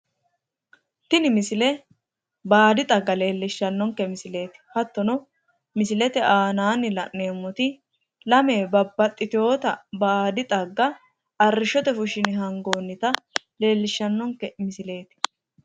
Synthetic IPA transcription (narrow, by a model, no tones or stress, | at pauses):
t̪ɪnɪmɪsɪlɛ | baːd̪ɪt̪ʼɐɡːɐle̞ːlːɪʃːɐnːɔŋkɛmɪsɪle̞ːt̪ɪ̥hɐt̪ːɔnɔ | mɪsɪlɛt̪ɛʔaːnaːnːɪlɐ̰ʔne̞ːmːɔt̪ɪ | lɐmeːbɐbːɐt̪ʼːɪt̪ɪjo̞ːt̪ɐbaːd̪ɪt̪ʼɐɡːɐ | ɐrːɪʃɔt̪ɛfʊʃɪnɦɐŋɡoːnːɪt̪ɐ | le̞ːlːɪʃːɐnːɔŋkːɛmɪsɪle̞ːt̪ɪ̥